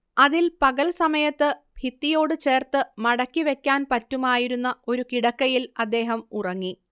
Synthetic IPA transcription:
ɐðilpɐɣɐɭsɐmɐjɐt̪ːɨ | bʱit̪ːijo̞ːɽɨt͡ɕe̞ːrt̪ɨmɐɽɐkːiʋe̞kʲːaːnpɐtːumaːjiɾunːɐo̞ɾukiɽɐkːɐjilɐd̪ːe̞ːɦɐmurɐŋːi

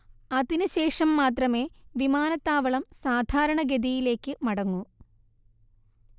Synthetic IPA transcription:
ɐðinɨɕe̞ːʂɐmːaːt̪rɐme̞ːʋimaːnɐt̪ːaːʋɐɭɐmsaːd̪ʱaːɾɐɳɐɡed̪ijile̞ːkːɨmɐɽɐŋːu

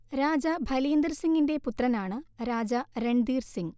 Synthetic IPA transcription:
ɾaːd͡ʑɐbʱɐlijɐnd̪ɐrsiŋɡinde̞put̪rɐnaːɳɨɾaːd͡ʑɐre̞ɳɖ̪iːrsiŋ

